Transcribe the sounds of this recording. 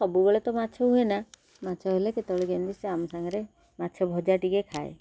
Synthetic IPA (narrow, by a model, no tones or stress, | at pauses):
sɔbubeɭet̪ɔmat͡ʃʰɔɦuena | matːt͡ʃʰɔɦeleket̪ɔɭeɡend̪iseamɔsaŋɡɔɾe | matːt͡ʃʰɔbʱɔd͡ʒaʈikekʰaḛ